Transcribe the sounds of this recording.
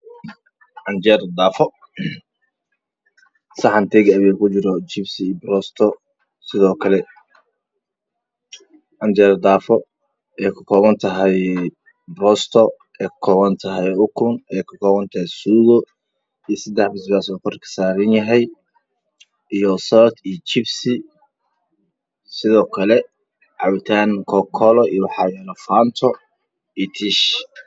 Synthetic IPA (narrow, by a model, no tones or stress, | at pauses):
ʕɑnt͡ʃɛɾd̪aːfɔ | sɐħɑnt̪ʰɛɡɐβɛkʰʊt͡ʃɪɾɔd͡ʒɪbsɪbɾɔst̪ʰɔ | sɪðɔːkʰɐlɛ | ʔɑnd͡ʒɛːɾd̪aːfɔ | ɛːkʰɐkʰɔːβɐnt̪ʰɐɦɛj | bɾɔst̪ʰɔ | ʔɛːkʰɔːβɐnt̪ʰɐɦɛjʊkʰʊnɛjkʰɐkʰɔːβɐnt̪ʰɐhɛjsuːðɔ | isɛd̪ɛħbɪsbaːsɔkʰɔrkʰɐ̥saːɾɪnjɐɦɛj | ijɔsɔt̪ijt͡ʃɪbsɪ | sɪðɔːkʰɐlɛ | ʕɑwt̪ʰaːŋkʰɔkʰɔlɔḭjwɑħɑːjɛlɔfaːnt̪ʰɔ | it̪ʰiʃ